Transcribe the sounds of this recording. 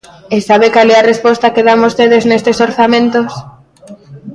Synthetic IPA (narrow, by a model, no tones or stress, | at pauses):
esaβekalɛarespɔst̪akeðamost̪eðeznest̪esoɾθamẽnt̪os